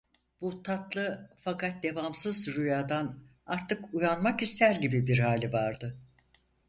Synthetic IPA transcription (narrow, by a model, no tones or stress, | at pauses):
b̥ut̪ʰat̪lˠɯfakat̪̚d̪e̞vamsɯzɾyjaːd̪an | aɾt̪ʰɯkujanmakist̪ʰæɾɟibibiɾɦaːlʲivaɾd̪ɯ